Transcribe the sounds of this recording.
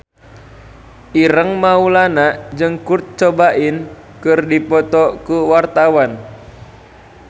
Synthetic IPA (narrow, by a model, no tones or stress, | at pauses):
ʔiɾəŋmaulanaʔd͡ʒɨŋkurt̪̚t͡ʃɔbaʔin | kɨrdipɔt̪ɔkuwart̪awan